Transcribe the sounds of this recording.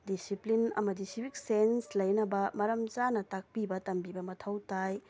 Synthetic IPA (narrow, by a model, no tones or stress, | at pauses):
disiplinɐ̰mɐdisibʱik̚senslɐjnɐbɐmɐɾɐmd͡ʒanɐtak̚pibɐtɐmbibɐmɐtʰɐwtaj